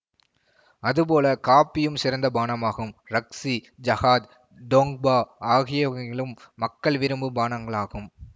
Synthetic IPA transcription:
ɐðɯp̬oːlɐkaːpːɪjɯmsɪɾɐnd̪ɐbaːnɐmaːɣɯmɾɐksid͡ʒɐɣaːd̪ | ɖoːŋɡ̚baːaːɣɪjɐɪɭɯmːɐkːɐɭʋɪɾɯmbɯbaːnɐŋɡɐɭaːɣɯm

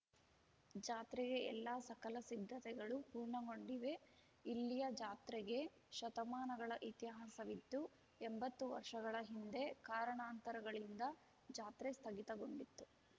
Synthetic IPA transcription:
d͡ʒaːt̪ɾɛɡe̞ɛ̰lːaːsɐkɐlɐsid̪ʱːɐt̪ɛɡɐɭupuːɾɳɐɡo̞ɳɖiʋe̞ | ilːijɐd͡ʒaːt̪ɾɛɡe̞ | ʃɐt̪ɐmaːnɐɡɐɭɐʔit̪jɐɦasɐʋid̪ːu | embɐt̪ːuʋɐ̰ɾʂɐɡɐɭɐɦind̪e̞kaːɾɐɳaːnt̪ɐɾɐɡɐɭind̪ɐ | d͡ʒaːt̪ɾɛst̪ʰɐɡit̪ɐɡoɳɖit̪ːu

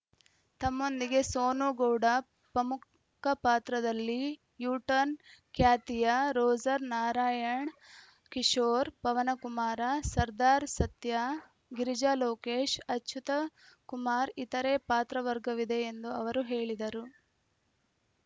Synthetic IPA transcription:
t̪ɐmːo̞nd̪iɡe̞soːnuɡowɽɐ | pɾɐmu | kʰɐpaːt̪ɾɐd̪ɐlːi | juːʈɐnkjaːt̪ijɐɾoːd͡ʒɐɾnaːɾaːjɐɳ | kiʂoːɾpɐʋɐnɐkumaːɾɐsɐɾd̪aːɾsɐt̪ja | ɡiɾid͡ʒaːloːkeːʃɐtːʃʰut̪ɐkumaːɾit̪ɐɾeːpaːt̪ɾɐʋɐɾɡɐʋid̪e̞ːnd̪uɐʋɐɾuɦe̞ːɭid̪ɐɾu

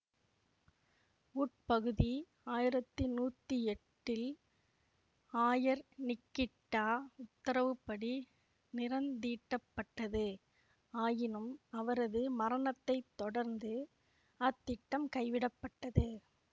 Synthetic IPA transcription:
uːʈ̚pɐɣɯði | aːjɪɾɐt̪ːɯnuːt̪ːɯɛʈːɪl | aːjɐɾnɪkːɪʈːaːʊt̪ːɐɾɐʋɯpːɐɽi | nɪɾɐnd̪iːʈːɐpːɐʈːɐðɯ | aːjɪnɯmɐʋɐɾɐðɯmɐɾɐnɐt̪ːɐɪt̪ːɔɽɐɾnd̪ɯ | ɐt̪ːɪʈːɐmkɐɪʋɪɽɐpːɐʈːɐðɯ

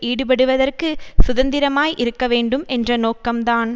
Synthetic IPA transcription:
iːɽɯp̬ɐɽɯʋɐðɐrkɯsʊðɐnd̪ɪɾɐmaːjʔɪɾɯkːɐʋeːɳɖɯmʔɛndrɐnoːkːɐmt̪aːn

